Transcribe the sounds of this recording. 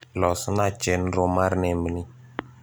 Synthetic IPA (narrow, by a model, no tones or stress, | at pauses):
lɔsnat͡ʃenɾomaɾnɛməni